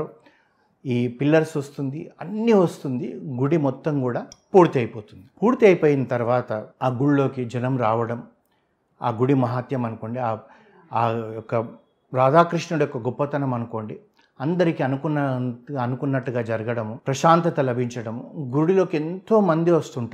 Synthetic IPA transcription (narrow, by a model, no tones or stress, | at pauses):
iːpilːɐɾsɐst̪und̪iɐnːiʋɐst̪und̪ḭɡuɽimɔt̪ːɐmkuːɽaːpuːɾt̪iɐjpoːt̪und̪ipuːɾt̪iɐjpoːjinɐt̪ɐɾʋaːt̪ɐaːɡuɭlo̞ːkid͡ʒɐnɐmɾaːʋɐɽɐm | aːɡuɽimɐɦaːt̪jɐmɐnuko̞ːɳɖiaː | aːɔkːɐ | ɾaːd̪aːkɾiʂɳɐɽujɔkːɐɡɔpːɐt̪ɐnɐmɐnukoːɳɖi | ɐnd̪ɐɾikiɐnukunːɐɐnukunːɐʈːuɡaːd͡ʒɐɾɐɡɐɽɐmupɾɐʃaːnt̪ɐt̪ɐlɐbʱiɲt͡ʃɐɽɐmɡuɽilo̞ːkient̪o̞ːmɐnd̪iʋɐst̪uɳʈa